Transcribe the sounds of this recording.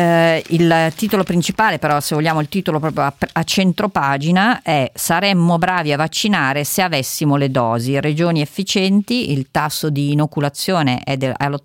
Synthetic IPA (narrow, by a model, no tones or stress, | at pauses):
ilt̪iːt̪olopɾint͡ʃipaːlepeɾɔsevolʎːjaːmoilt̪iːt̪olopɾɔːpɾjoaat͡ʃːent̪ɾopaːd͡ʒinaɛsaɾɛmːobɾaːviavːat͡ʃːinaːɾeseavɛsːimoled̪ɔːzired͡ʒoːniefːit͡ʃɛnt̪iʔilt̪asːod̪iːnokulat̪sːjoːnḛʔɛd̪ɛl